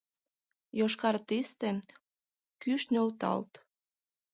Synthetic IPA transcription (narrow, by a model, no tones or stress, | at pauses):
joʃkɑrt̪ist̪e | kyʃnølt̪ɑ̰lt̪